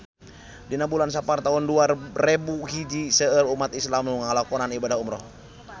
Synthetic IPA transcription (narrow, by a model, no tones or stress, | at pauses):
dinabulans̬apart̪aɦunduarebuɦid͡ʒisəəlumat̪islamnuŋalakɔnanibadaɦumɾɔh